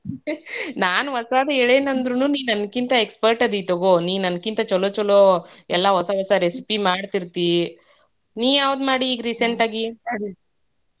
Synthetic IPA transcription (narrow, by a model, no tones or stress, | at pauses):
naːnʋɐsaːd̪ɐeɭeːnɐnd̪ɾunuːniːʋnɐnkint̪ɐekspɐɾʈɐd̪it̪oɡoniːʋnɐnkint̪ɐt͡ʃɔloːt͡ʃɔloːɛlːɐɦɔsɐɦɔsɐɾesipimaːɽt̪iɾt̪i | niːʋaːʋd̪maːɽiːɡɾiseɳʈaːɡienaɽi